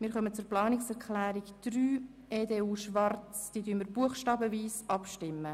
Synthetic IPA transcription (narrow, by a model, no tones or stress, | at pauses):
mɪːɾχœmət͡sʊɾplɑːnɪksɛɾklæːɾikd̥ryː | eːdeːuːʃʋɑrt͡sd̥iːədyənməɾb̥uəχʃtɑːbəviːsɑpʃtɪmːə